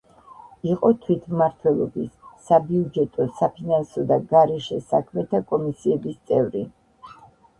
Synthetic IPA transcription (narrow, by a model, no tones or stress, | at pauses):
iqʼɔt̪ʰwit̪ʰmaɾt̪ʰwɛlˠɔ̰bisːabiud͡ʒɛt̪ʼɔsapʰinansɔd̪aɡaɾɛʃɛsakʰmɛt̪ʰakʼɔmisiɛbist̪sʼɛvɾi